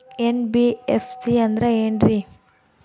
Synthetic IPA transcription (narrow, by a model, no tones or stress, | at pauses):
enbiefʰsiɐnd̪ɾeeːɳɾi